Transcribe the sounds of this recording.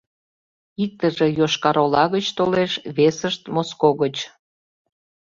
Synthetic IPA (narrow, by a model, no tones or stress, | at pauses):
ik̚t̪əʒejoʃkɑɾolɑɣət͡ɕt̪oleʃβesəʃt̪moskoɣət͡ɕ